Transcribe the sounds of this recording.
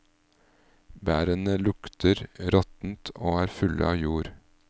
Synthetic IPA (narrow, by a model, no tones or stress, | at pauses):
bæːɾənəlʊkt̪ʰəɾɾɔt̪n̩t̪ʰoːæːɾfʉlʔə̰ɑːjuːɾ